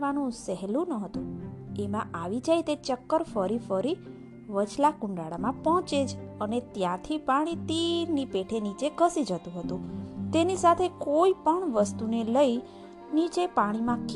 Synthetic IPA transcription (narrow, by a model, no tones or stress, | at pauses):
ʋanũsɛɦlũnəɦət̪ũemãʔaʋid͡ʒajt̪et͡ʃəkːəɾfəɾifəɾi | ʋət͡ʃʰlakʊ̃ɳɖaɭamãpɔ̃t͡ʃed͡ʒənet̪jãt̪ʰipaɽ̃it̪iɾnipeʈʰenit͡ʃeɡʱəsid͡ʒət̪ũɦət̪ũt̪enisat̪ʰekoipəɳʋəst̪uneləi | nit͡ʃepaɽ̃imãk